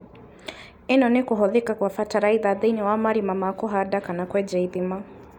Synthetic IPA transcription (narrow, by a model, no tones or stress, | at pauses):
ɛnɔnɛkuɦɔðikakuwafataɾaiðaðiniwamaɾimamakɔɦadakanakwɛd͡ʒɛibima